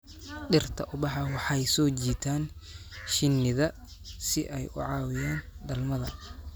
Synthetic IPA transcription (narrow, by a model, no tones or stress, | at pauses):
ɗɪrt̪ʰɐʔʊbɑħɑwɑħɑjsɔːt͡ʃiːt̪ʰaːnʃɪnːɪðɐ | sɪʔɛjʔʊ̰ʕɑːwɪjaːnɖɐlmɐðɐ